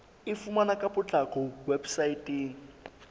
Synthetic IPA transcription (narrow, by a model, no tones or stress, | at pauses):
ɪfumanakʼapʼʊt͡ɬʼakʰʼɔwebsaitʼeːŋ̩